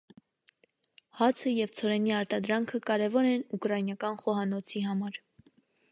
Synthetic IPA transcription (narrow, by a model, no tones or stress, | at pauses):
hɑt͡sʰəjɛvt͡sʰɔɾɛniɑɾt̪ɑd̪ɾɑŋkʰəkɑɾɛvɔɾɛnukɾɑjnjɑkɑnχɔɦɑnɔt͡sʰiɦɑmɑɾ